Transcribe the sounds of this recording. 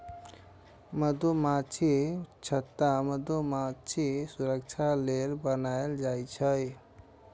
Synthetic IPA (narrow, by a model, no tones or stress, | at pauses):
məd̪omat͡ʃʰit͡ʃʰət̪ːaməd̪omat͡ʃʰisuɾəkt͡ʃʰalelbənaeld͡ʒajt͡ʃʰəj